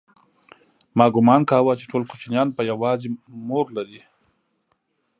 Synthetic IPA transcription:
mɑɡʊmɑnkɑwat͡ʃe̥ʈʰolkot͡ʃnjɑnpəjawɑzemoɾlaɾi

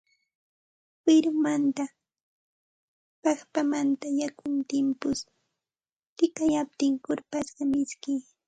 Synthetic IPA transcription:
fɪɾʊmant̪a | pɑχpamant̪ajakʊnt̪ɪmpʊs | t̪ɪkajap̚t̪ɪŋkʊɾpasɢɑmɪskɪ

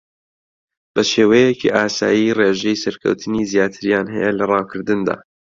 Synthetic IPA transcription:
b̥ɐʃeːwejekʰḭʔaːsa̰ːjireʒejsɐɾkʰɐ̰wt̪ʰɨnizijaːt̪ʰɨɾjaːnɦɐ̰jɛlɐrɑːwkʰɨɾd̪ɨnd̪a̰ː

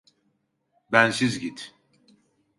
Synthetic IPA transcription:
bænsizɟit̪

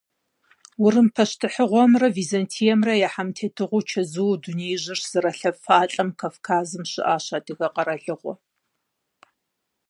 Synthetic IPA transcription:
wʊɾɨmpʰɐʃtʰɨħəʁʷɔmrɐviːzɐntʰijɛmrɐjaħamtʰeːtʰɨʁʷʊt͡ʃʰɐzɨwdunejʒɨrz̥ɨɾɐɬɐfaːɬʼɐmkʰaːfkʰaːzɨmɕɪ̰ʔaːɕaːdɨɣɐqʼɐɾɐɮɨʁʷɔ̰

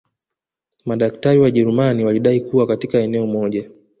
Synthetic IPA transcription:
maɗak̚taɾiwaʄɛɾumaniwaliɗaikuwakatikaɛnɛɔmɔʄa

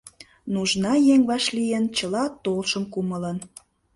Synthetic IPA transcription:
nuʒnɑjeŋβɑʃlijent͡ɕəlɑt̪olʃəmkumələn

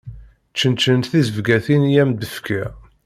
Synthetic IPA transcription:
t͡ʃːənt͡ʃːənt̪θizəvɡæθinjæmd̪əfkʰæ

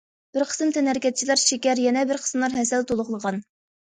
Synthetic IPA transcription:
b̥ɪɾqʰə̥sɨmt̪ʰɛnhɛɾɪkʲɛt̪̚t͡ʃʰilæɾʃekʲɛɾjɛnɛbɪɾqʰə̥smlˠɑɾɦɛsɛlt̪ʰolˠʊʁlˠəʁɑn

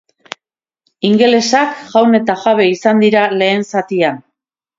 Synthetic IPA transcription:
iŋɡe̞le̞sakʝawne̞t̪aʝaβe̞isand̪iɾale̞ːnsat̪ian

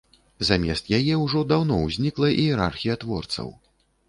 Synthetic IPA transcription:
zamʲɛ̰st̪jajɛwʐɔd̪awnɔwzʲnʲiklˠɐʔiɛɾa̰rxʲijɐt̪vɔrt̪sɐ̰w

